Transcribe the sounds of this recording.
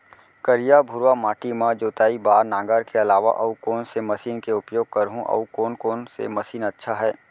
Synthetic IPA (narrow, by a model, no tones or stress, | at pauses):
kəɾijabʱʊɾwamaːʈimãd͡ʒoːt̪aːibaːɾnãːŋɡəɾkeɐlaːʋa̰ʔɐukoːnsemɐsiːnkeʊpjoːɡ̚kɐɾɦũʔɐ̰ukoːnkoːnsḛmɐsiːnɐtːʃʰaɦɛː